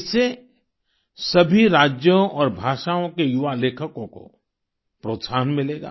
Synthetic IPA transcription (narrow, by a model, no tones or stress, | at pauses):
ɪse | sɐbʱiɾaːd͡ʒjõʔɔːɾbʱaːʃaːõkejʊʋaleːkʰəkõko̰ | pɾoːt̪saːənmɪleːɡa̰ː